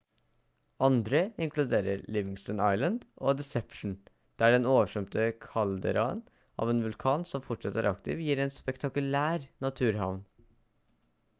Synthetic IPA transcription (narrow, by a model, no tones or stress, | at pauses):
ɑnd̪ɾəɪŋkʰlʉd̪eːɾə̰ɾlɪʋɪŋst̪ɔnɑɪlənd̪oːd̪ɛsɛpʂɳ̩ | d̪̥æːɖɛnoːʋəʂœmt̪əkʰɑld̪ə̰ɾɑən | ʔɑ̰ːʋeːnʋʉlkʰɑːnsɔmfɔʈʂɑt̪əæ̰ɾɑkt̪ɪ̰ːʋjiːɾɛːnspɛkt̪ʰɑkʉlæːɾnɑt̪ʰʉːɾɦɑʋn